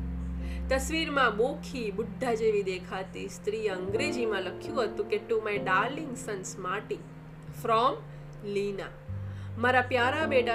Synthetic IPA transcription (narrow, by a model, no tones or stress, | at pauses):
t̪ɐsʋiːɾmãboːkʰibʊd̪ʱːad͡ʒeːʋid̪eːkʰat̪ist̪ɾiːɐŋɡɾed͡ʒimãləkʰjũɦət̪ũkeʈːumajɖaːɾlĩŋɡsɐnsmaːʈi | fɾɔm | liːna | maɾapjaːɾabeːɖa